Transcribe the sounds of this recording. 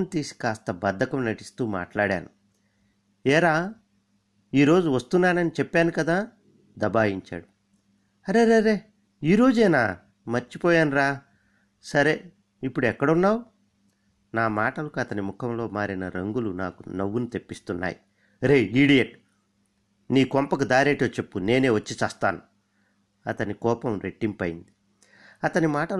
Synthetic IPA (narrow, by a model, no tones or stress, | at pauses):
nt̪iːsi̥kaːst̪ɐbɐd̪ʱːɐkɐmnɐʈi̥st̪uːma̰ːʈlaːɽa̰ːnu | ɛːɾaː | iːɾo̞ːd͡ʒuʋɐst̪unːaːnɐnit͡ʃɛpːaːnikɐd̪aː | d̪ɐbaːjiɲt͡ʃa̰ːɽu | ɐɾeɾeɐɾe̞ː | iːɾo̞ːd͡ʒɛːna̰ː | mɐɾt͡ʃipɔːjaːnuɾaː | sɐɾeː | ipːuɽuɛkːɐɽɐunːaːwu | naːmaːʈɐlɐkuɐt̪ɐnimukʰɐmlo̞ːmaːɾinɐɾɐŋɡulunaːkṵnɐʋːunit̪e̞pːist̪unːa̰ːji | ɾeːiːɽijeʈ | niːkɔmpɐkud̪aːɾeːʈoːt͡ʃe̞pːune̞ːne̞ːʋɐt͡ʃːit͡ʃaːst̪a̰ːnu | ɐt̪ɐnikɔːpɐmɾeʈːimpɐjḭnd̪i | ɐt̪ɐnimaːʈɐl